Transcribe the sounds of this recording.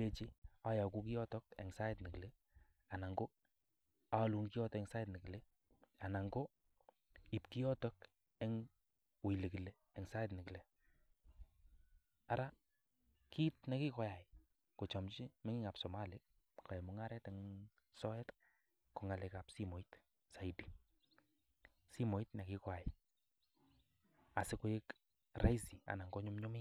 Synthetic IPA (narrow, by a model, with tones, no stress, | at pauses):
e˦t͡ʃi˦a˦ja˨ku˦ki˦jɔ˦tɔ˦kɛ̰˨ŋsa˦ɛ˦tnɪ˨ki˨le˦ | a˨na˨ŋɡo˦ | a˨˦lu˨˧ŋki˦jɔ˦tɛ˦ŋsa˦ɛtni˨ki˨le˦ | a˨na˨ŋɡo˦ | i˨pki˦jɔ˦tɔ˦k | ɛ˦ŋ | wi˨le˨ki˨le˨ | ɛ˨ŋsa˦ɛ˦t̬nɪ˨ki˨le˨ | a˨ɾa˦ | kʰi˦t̚nɛ˨ki˦kɔ˨˦ja˨j | ku˨t͡ʃɔ˨mt͡ʃi˦me˦ŋɪ˦ŋa˨psɔ˨ma˦li˦ | ka˨ɛ˨mʊ˨˦ŋa˦ɾɛ˦tɛŋ | sɔ˦ɛ˦t | ku˨ŋa˨lɛka˨psi˦mo˨it | sa˨idi˨ | si˦mo˨i˦tnɛ˨ki˦kwa˨ji | a˨sɪ˦kʊ˦jɪ˦k | ra̰˦jsi˨a̰˨na˨ŋɡɔ˦ɲʊ˦mɲʊ˦mɪ˦